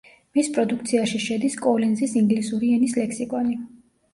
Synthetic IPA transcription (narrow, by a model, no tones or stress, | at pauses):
mispʼɾɔd̪ukʰt̪sʰiaʃiʃɛd̪iskʼɔlɛnzisiŋɡlisuɾiɛnislɛksikʼɔni